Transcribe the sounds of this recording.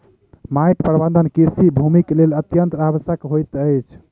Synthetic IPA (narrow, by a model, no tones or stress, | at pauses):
majʈpɾbə̃nd̪ənkiɾsibʱumiklelət̪jənt̪ɾaβəsjəkɦojt̪əjt͡ʃʰ